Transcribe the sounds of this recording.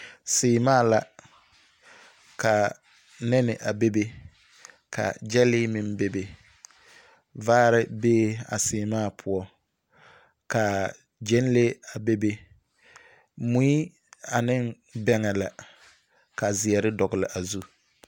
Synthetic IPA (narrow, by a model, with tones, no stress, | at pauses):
sɪː˨maː˦˨la˨ | ka˨ | nɛ˦nɪ˨ʔa˨be˦be˦ | kʰa̰˨d͡ʒɛ˦lɪ˦mɪ˨mbe˦be˨ | vaː˦ɾɪ˦beː˦a̰˨sɪː˨maː˦˨pʰʊ˦ɔ˦ | ka˨ | d͡ʒɛ˦n˦le˦a˨be˦be˦ | mu˦i˦ | a˨nɪ˦ŋ | bɛ˦ŋɛ˨la˨ | ka˨zɪ˨ɛ˨ɾɪ˦dɔ˨ɡɪ˨lɪ˨ʔa˨zu˦